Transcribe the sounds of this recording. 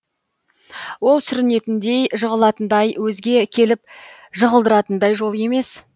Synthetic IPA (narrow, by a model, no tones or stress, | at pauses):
wo̞lˠsʏɾɪne̞t̪ɪnd̪e̞jʒəʁəlˠɑt̪ənd̪ɑjwɵzɡʲe̞kʲʰe̞lɪp̚ | ʒəʁəlˠd̪əɾɑt̪ənd̪ɑjʒo̞lˠe̞me̞s